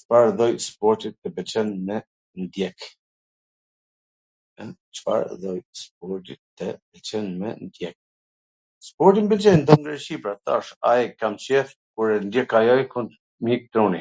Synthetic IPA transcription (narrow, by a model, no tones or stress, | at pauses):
t͡ʃfaɾðɔjspɔɾt̪it̪ːəbɛt͡ʃɛnmɛ | nd̪jɛk | ɛ | t͡ʃə̥fa̰ɾðɔjsp̚ɔɾt̪it̪ːɛbɛt͡ʃɛnmɛ̰nd̪jɛk̚ | spɔɾt̪imbɛlt͡ʃɛjnd̪ɔnɡaʃipɾat̪a̰ʃaɛkamt͡ʃɛθ | kuɾɛnd̪jɛkajɔjkun | mik̚t̪ɾɔni